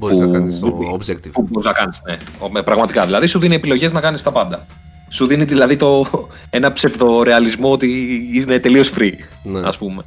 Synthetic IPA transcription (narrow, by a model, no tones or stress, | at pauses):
bpu | kt̪puboɾiznɐkɐnisnemepɾɐɣmɐt̪ikɐðilɐðisuðinie̞pilo̞ʝe̞znɐkɐnist̪ɐpɐnd̪ɐ | suðiniðilɐðit̪o̞ | e̞nɐpse̞vðo̞ɾe̞ɐlizmoot̪iine̞t̪e̞lio̞sfɾiɐ̰spume